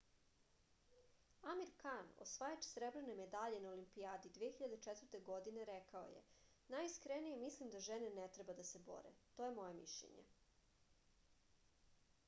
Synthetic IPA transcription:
amiɾkano̰sʋajat͡ʃsɾebɾene̞me̞d̪aʎenaolimpiaːd̪id̪ʋijexçiʎad̪et͡ʃɛt̪vɾt̪e̞ɡo̞d̪ine̞ɾɛkao̰jḛ | najiskɾenijemislimd̪aʒenenet̪ɾebad̪asebo̞̰ɾḛt̪oje̞mo̞jemḭʃʎḛɲḛ

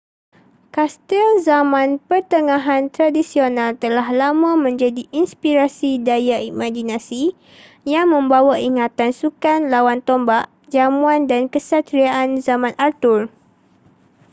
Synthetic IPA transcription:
kast̪əlzamãnpərt̪əŋãɦant̪ɾadisionãlt̪əlaɦlamãmə̃ɲd͡ʒadiʔinspiɾasidajaimãd͡ʒinãsi | jaŋmə̃mbawaiŋãt̪ansukanlawant̪ɔmbaʔ | d͡ʒamuandankəsat̪ɾiaʔanzamãnʔart̪ʊr

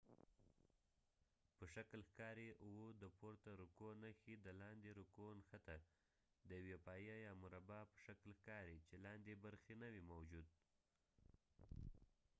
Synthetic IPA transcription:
pəʃaklxkɑɾeʔwod̪əpoɾt̪aɾukonaxid̪əlɑnd̪eɾukonxat̪a | d̪əjawepɑjajɑmʊɾabɑpə̥ʃaklxkɑɾit͡ʃelɑnd̪ebaɾxenawimawd͡ʒud̪̚

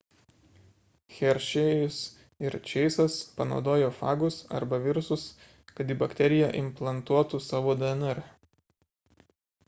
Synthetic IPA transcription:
xʲɛɾʲʃʲejʊs | ɪɾt͡ʃʲɛɪsɐspɐnɒ̰ʊd̪oːjoːfɑ̰ːɡʊsɐ̰ɾbɐʋʲɪɾʊsʊs | kɐt̪iːbɐkt̪ʲɛɾʲɪjɛʔɪmplˠɐnt̪uɔt̪usɑːʋoːd̪ɛɛnɛɾ

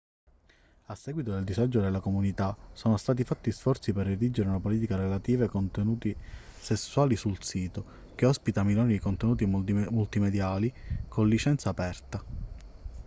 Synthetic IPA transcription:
asːɛːɡwit̪od̪eld̪izad͡ʒod̪elːakomunit̪asoːnost̪aːt̪̬ifat̪ːisfɔrt̪siperːed̪id͡ʒeɾeunapoliːt̪ikaɾelat̪iːvaekont̪enuːt̪isesːuaːlisulsiːt̪o | k̟eɔspit̪amiloːniikont̪enuːt̪imult̪imed̪jaːlikʰonlːit͡ʃɛnt̪saːpɛrt̪a

